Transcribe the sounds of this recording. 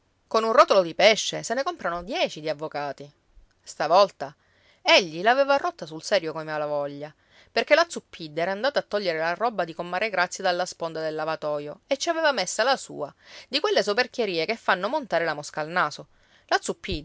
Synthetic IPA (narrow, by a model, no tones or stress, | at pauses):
konunrɔt̪olod̪ipɛʃːesenekompɾanod̪jɛːt͡ʃid̪iavːokaːt̪i | st̪avɔlt̪a | eʎːilaːvɛvarɔt̪ːasulsɛːɾjokomealavɔʎːa | perkelat̪supʰːid̪ːɛɾaːnd̪aːt̪aːt̪ːɔʎːeɾelarɔbːad̪ikomːaːɾeɡɾat̪sːjad̪alːaspond̪ad̪elːavat̪ɔːjoet͡ʃːiavɛvamesːalasṵːad̪ikwelːesoperk̟jeɾiːekefːanːomont̪aːɾelamoskaːlnaːso | lat̪supːid̪